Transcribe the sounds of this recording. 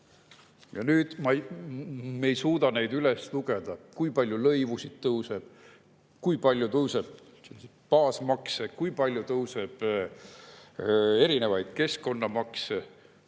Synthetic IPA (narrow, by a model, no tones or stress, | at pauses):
jɑnyːd̪̥mɑj | me̞jsuːd̪ɑne̞jd̪ylesluɡ̥e̞d̪̥ɑkujpɑlʲjulɤjvusid̪̥t̪ːɤwse̞b̥ | kujpɑlʲjut̪ɤwse̞b̥̚ | s | pɑːsmɑksekujpɑlʲjut̪ɤwse̞b̥ | e̞ɾine̞vɑjd̪̥̚ke̞sko̞nːɑmɑkse